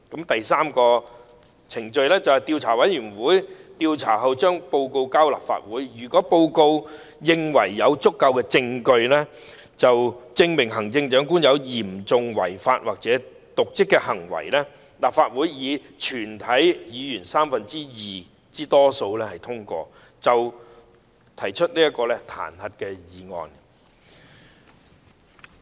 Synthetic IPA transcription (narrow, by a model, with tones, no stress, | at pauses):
kɐ˨˥mt̪ɐ˨jsaː˥mkɔː˧ | t͡sʰɪ˨˩ŋt͡ʃɵ˧ɥlɛː˥t͡sɐ˨whɐ˨˩jt̪iː˧wt͡sʰaː˨˩wɐ˨˥jjyː˨˩nwuː˨˥jt̪iː˧wt͡sʰa̰ː˨˩ɦɐ˨wt͡ʃœː˥ŋpo˧wko˧wkaː˥wla̰ː˨p̚fa̰ː˧t̚wuː˨˥jjyː˨˩kɔː˨˥po˧wko˧w | jɪ˧ŋwɐ˨˩jːɐ˨˧wt͡sʊ˥kːɐ˧wkɛː˧t͡sɪ˧ŋkɵ˧ɥlɛː˥ | t͡sɐ˨wt͡sɪ˧ŋmɪ˨˩ŋɦɐ˨˩ŋt͡sɪ˧ŋt͡ʃœː˨˥ŋk̬uː˥njɐ˨˧wjiː˨˩mt͡sʊ˨ŋwɐ̰˨˩jfaː˧t̚waː˨k̚t͡sɛ˨˥ | t̪ʊ˨k̚t͡sɪ˥kːɛː˧hɐ˨˩ŋwɐ̰˨˩jlɛː˥ | laː˨˩faː˧t̚wuː˨˥jːiː˨˧ | t͡ʃʰyː˨˩nt̪ʰɐ˨˥jjiː˨˧jyː˨˩nsaː˥mfɐ˨nt͡siː˥jiː˨ | t͡siː˥t̪ɔː˥so˧wlɛː˥hɐ˨˩jt̪ʰʊ˥ŋkʷɔ̰ː˧ | t͡sɐ˨w | t̪ʰɐ˨˩jt͡ʃʰɵ˥t̚nliː˥jɐ˥kːɔː˧lɛ˥t̪ʰa̰ː˨˩nhɐ˨t̚kɛː˧jiː˨˦ŋɔ̰ː˨˧n